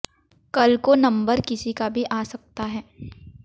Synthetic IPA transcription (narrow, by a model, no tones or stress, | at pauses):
kɐlkonɐ̃mbəɾkɪsikabʱiʔaːsɐk̚t̪aɦɛː